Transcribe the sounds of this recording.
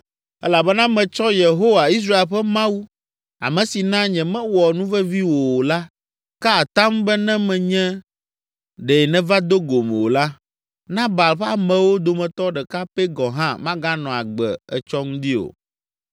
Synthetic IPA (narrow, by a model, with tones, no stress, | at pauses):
ɛ˦la˨bɛ˦nã˦mɛ̃˨t͡ʃɔ˦je˨ɦo˦wa˨i˦s̬ɾa˦e˨lɸɛ˦mã˦wu˦ | a̰˨mɛ̃˨si˨nã˦ɲɛ̃˨mɛ̃˦wɔ˨nũ˦vɛ˦vi˦wo˨o˨la˦ | ka˦a˨t̪ã˦mbɛ˦nɛ̃˦mɛ̃˨ɲɛ̃˦ | ɖɛ˨nɛ̃˦va˦d̪o˦ɡo˨mɛ̰̃˨wo˨la˦ | nã˦ba˨lɸɛ˦a˨mɛ̃˨wo˦d̪o˨mɛ̃˨t̪ɔ˦ɖɛ˨ka˦pɛ˦ɡɔ˨ɦã̰˦mã˦ɡa˦nɔ̃˨a˨ɡ͡bɛ̰˨ɛ̰˨t͡ʃɔ˦ŋũ˦d̪i˦o̰˨